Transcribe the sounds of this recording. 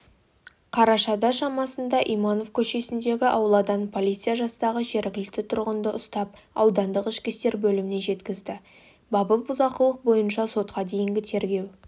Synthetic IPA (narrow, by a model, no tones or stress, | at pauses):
qʰɑɾɑʃɑd̪ɑʃɑmɑsənd̪ɑʔijmɑno̞fkʲʰɵʃe̞sɪnd̪e̞ɡʲɪʔɑwəlˠɑd̪ɑnpʰo̞lˠijt̪sɨjaʒɑst̪ɑʁəʒe̞ɾɡʲɪlɪk̚t̪ɪt̪ʰʊɾʁənd̪əʔʊst̪ɑp | ɑwd̪ɑnd̪əqɪʃkʲɪst̪e̞ɾbɵlɪmɪne̞ʒe̞t̪kʲɪzd̪ɪ | bɑbəbʊzɑqəlˠəq̚bo̞jənʃɑso̞t̪qɑd̪e̞jɪŋɡʲɪt̪ʰe̞ɾɡʲe̞w